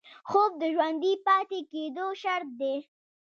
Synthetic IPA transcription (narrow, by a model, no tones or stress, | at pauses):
xob̚d̪əʒwand̪ipɑt̪eked̪oʃaɾt̪̚d̪e